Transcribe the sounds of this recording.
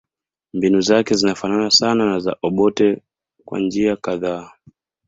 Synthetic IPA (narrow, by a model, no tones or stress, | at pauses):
mbinuzakɛzinafananasananaza̰ʔɔɓɔtɛ | kwa̰nd͡ʒiakaðaː